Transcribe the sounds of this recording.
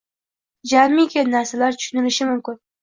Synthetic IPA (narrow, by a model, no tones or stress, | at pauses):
d͡ʒanmːɪkʲʰanːaɾsalaɾt̪ʰʊ̥ʃʊnɪlɪʃɪmʊmkʲɪn